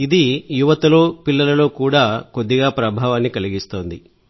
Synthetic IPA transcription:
id̪ijuʋɐt̪ɐlo̞ːpilːɐlɐlo̞ːkuːɽaːko̞d̪ːiɡaːpɾɐbʱaːʋaːnːikɐliɡist̪o̞ːnd̪i

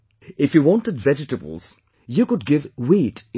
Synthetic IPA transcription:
ɪfjuwɔ̃ntədvɛd͡ʒɪʈəbə̰l̩ˠz̥ | jukʊd̚ɡɪvwiːt

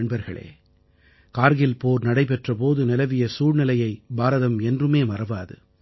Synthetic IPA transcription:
ɳbɐɾɣɐɭḛː | kaːɾɣɪlpoːɾnɐɽɐɪpɛʈrɐpoːðɯnɪlɐʋɪjɐsuːrnɪlɐjɐɪbaːɾɐðɐmɛndrɯmeːmɐɾɐʋaːðɯ̰

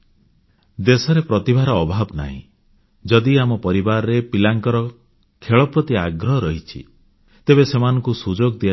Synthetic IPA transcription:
d̪esɔɾepɾɔt̪ibʱaɾɔːbʱabna̰ɦḭ̃ | d͡ʒɔd̪iamɔpɔɾibaɾɔɾepilaŋkɔɾɔ | kʰeɭɔpɾɔt̪iaɡɾɔɦɔɾɔɦit͡ʃʰḭ | t̪ebesemanɔ̃ŋkusud͡ʒoɡɔd̪ia

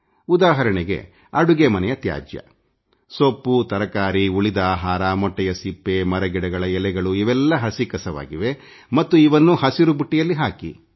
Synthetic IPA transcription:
ud̪aːɦɐɾɐɳɛɡe̞̰ | ɐɽuɡemɐnɛjɐt̪ja̰ːd͡ʒjɐ̰ | sopːut̪ɐɾɐkaːɾiuɭid̪aːɦaːɾaːmɔʈːɛjɐsipːemɐɾɐɡɛɽɛɡɐɭɐɛlɛɡɐɭuiʋɛlːɐɦɐsikɐsɐʋa̰ːɡiʋe̞ | mɐt̪ːuiʋɐnːuhɐsiɾubuʈːijɐlːiɦaːki

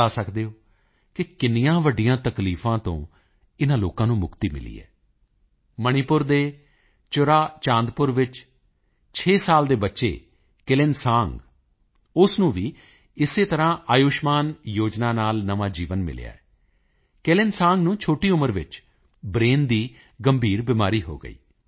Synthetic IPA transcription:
aːsəkd̪eːoː | kɪkɪnɪjãːʋəɖɪjãːt̪əkliːfʰãːt̪õ̰ː | ɪnãːloːkãːnũːmʊkt̪iːmɪ̰lḭːɛ̰ː | məñɪpʊɾd̪eː | t͡ʃʊɾaːt͡ʃãːnd̪pʊɾʋɪt͡ʃ | t͡ʃʰeːsaːld̪eːbətːʃḛː | kɪlɪnsãːŋɡ | ʊsnũːʋiː | ɪseːt̪əɾãːʔaːjʊːʃmaːnjoːd͡ʒnaːnaːlnəʋaːd͡ʒiːʋənmɪ̰l̰ja̰ːɛː | kɪlɪnsãːŋɡnũːt͡ʃʰoːʈiːʊməɾʋɪ̰t͡ʃ | bɾeːnd̪iː | ɡəmbʱiːɾbɪmaːɾiːɦo̰ːɡə̰ḭː

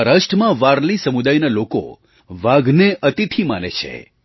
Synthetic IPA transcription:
ɾəʃʈmãʋaɾlisəmud̪ajnaloko̰ | ʋaɡneʔət̪it̪ʰimanḛt͡ʃʰḛ

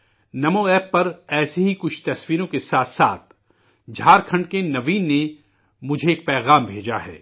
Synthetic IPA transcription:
nɐmoɛːpːɐɾɛːseɦikʊt͡ʃʰt̪ɐswiːɾõkesaːt̪ʰsa̰ːt̪̚ʰ | d͡ʒʱaːɾkʰɐ̃ɳɖkenɐʋiːnːe | mʊd͡ʒʱeeːk̚pɛːɣaːmbʱeːd͡ʒaɦɛ̰ː

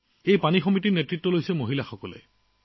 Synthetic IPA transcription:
ejpanixɔmitiɹnetɹitːɔlojsɛmoɦilaxɔkɔlɛ̰

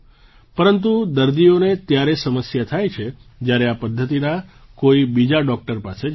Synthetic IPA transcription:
pəɾənt̪ud̪əɾd̪ijonet̪jaɾesəməsjat̪ʰajt͡ʃʰed͡ʒjaɾeapəd̪ʱːət̪inakoibid͡ʒaɖɔk̚ʈəɾpase

